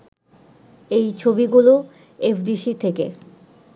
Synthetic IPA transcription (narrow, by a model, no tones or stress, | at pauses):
ejt͡ɕʰobiɡulo | efɖiʃit̪ʰekḛ